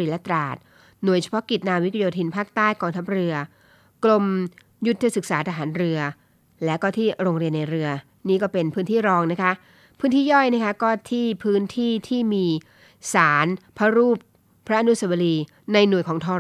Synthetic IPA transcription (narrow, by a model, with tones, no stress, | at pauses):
i˧˩lɛ˦˥t̪ɾaː˨˩t̪̚ | nu˨˩əjt͡ɕʰḁ˧pʰɔ˦˥ki˨˩t̪̚naː˧wi˦˥t̪ʰjoː˧t̪ʰiː˧npʰaː˥˩k̚t̪aː˥˩jkɔː˧ŋt̪ʰa˦˥p̚ɾɯ˧ɐ | klo˧m | ju˦˥t̪ʰːa˧sɯ˨˩k̚saː˩˦t̪ʰa˧ɦaː˩˦nɾɯ˧ɐ | lɛː˦˥kɔː˥˩t̪ʰiː˥˩ɾoː˧ŋɾi˧ənːa˧jɾɯ˧ɐ | niː˥˩kɔː˥˩pe˧npʰɯː˦˥nt̪ʰiː˥˩ɾɔː˧ŋna˦˥kʰa˦˥ʔ | pʰɯ̥ː˦˥nt̪ʰiː˥˩jɔ˥˩jna˦˥kʰa˦˥kɔː˥˩t̪ʰiː˥˩pʰɯː˦˥nt̪ʰiː˥˩t̪ʰiː˥˩miː˧ | saː˩˦npʰa˦˥ɾuː˥˩p̚ʰː | ɾa˦˥ʔnu˦˥sa˧˩wa˧liː˧ | na˧jnu˨˩əjkʰɔː˩˦ŋt̪ʰɔː˧